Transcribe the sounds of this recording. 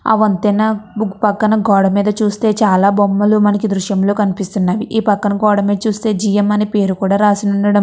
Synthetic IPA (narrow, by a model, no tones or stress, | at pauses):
ɐ̰ʋɐnt̪ɛnːɐbuɡpɐkːɐnɐɡɔːɽɐmiːd̪ɐt͡ʃuːst̪e̞ːt͡ʃaːlaːbɔmːɐlumɐnɐkid̪ɾuʃjɐmlo̞ːkɐnipist̪unːaːʋiʔiːpɐkːɐnɐɡɔːɽɐmiːd̪ɐt͡ʃuːst̪e̞ːd͡ʒijɐmːɐnipe̞ːɾukuːɽaːɾaːsinuɳɖɐɽɐm